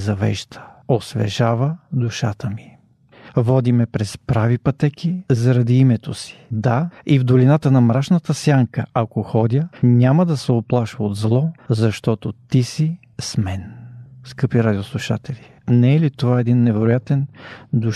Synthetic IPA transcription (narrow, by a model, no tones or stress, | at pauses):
zɐvɛ̰ʒd̪ə̥osvɛ̰ʒavəd̪uʃat̪əmi | vɔd̪imɛpɾɛspɾavipɐt̪ɛkizɐɾɐd̪iimɛt̪osi̥d̪aivd̪olinat̪ənɐmɾaʃnət̪əsjaŋkə̰akoxɔd̪ʲənʲaməd̪ɐsɛoplˠaʃvəod̪zlˠɔzɐʃt̪ɔt̪ot̪isi | smɛnskɤpiɾad̪ʲioslˠuʃa̰t̪ɛlʲi | nɛɛlit̪ovaɛd̪inːɛvɛɾojat̪ɛnd̪u